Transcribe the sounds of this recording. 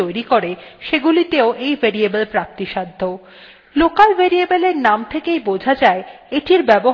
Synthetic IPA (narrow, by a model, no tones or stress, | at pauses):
ojɾikoɾeʃeɡulit̪eoʔejbʱeɾiebelpɾap̚t̪iʃad̪ʱːo | lokalbʱeɾiebeleɾnamt̪ʰekejbod͡ʑʱad͡ʑae | eʈiɾbɛbo